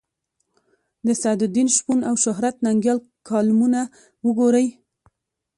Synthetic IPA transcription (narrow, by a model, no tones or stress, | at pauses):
d̪əsad̪ʊd̪inʃpunawʃʊɦɾat̪naŋɡjɑl | kʰɑlmuna | wəɡoɾəj